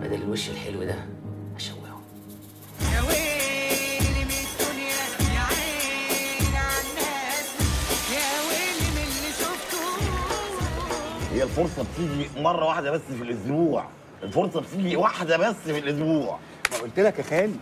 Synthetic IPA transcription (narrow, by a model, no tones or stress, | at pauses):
mæ̰d̪ælːlweʃːelħḛlwed̪æ̰hæʃæ̰wːḛho | jæwe | lmed̪onjæʕeː | nʕanːæːsjæwelimelːiʃoft̪o | hejːælfoɾsˤɑbet̪iːɡimɑrˤːɑwaħed̪æbæsːfilʔozbuːʕ | ʔelfoɾˤsˤɑbet̪iːɡiwaħd̪æbæsːfilʔʊsbuːʕ | mæʔolt̪elækæxæːni